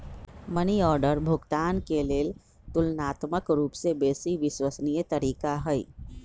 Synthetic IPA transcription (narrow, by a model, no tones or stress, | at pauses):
məniɔːɾɖəɾbʱʊɡt̪aːnkeleːl | t̪ʊlnaːt̪məkɾuːpsebeːsiʋɪswəsnijət̪əɾiːkaɦəḭ